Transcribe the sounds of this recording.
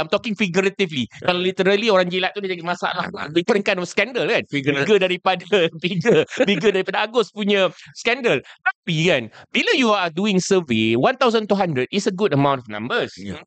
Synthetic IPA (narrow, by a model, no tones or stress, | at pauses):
ajmt̪ɔkɪ̃ŋfiɡuɾət̪iflikalalit̪əɾəlioɾaŋd͡ʒilaʔ̚t̪udid͡ʒaɡimasa̰la̰hdikɔɾənkanɔfskɛndəlkanbiɡədaɾipadabiɡəbiɡədaɾipadaaɡʊspuɲə̃skɛndəlt̪apikanbilajuaduɪ̃ŋsəvewãnt̪awzənt̪uɦandɾəd̚isəɡudəmãw̃ntɔfnã̰mbəs